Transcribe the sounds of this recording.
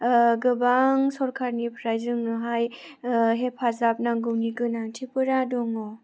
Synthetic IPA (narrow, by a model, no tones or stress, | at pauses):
ɡɯbaŋsɔɾkʰaɾnipʰɾajzɯŋnɯɦaj | ɦepʰazap̚naŋɡɯwniɡɯnaŋtʰipɯɾadɔŋɔ